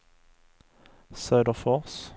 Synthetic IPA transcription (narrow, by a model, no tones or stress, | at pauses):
sɑʉd̪əʁfɔʁs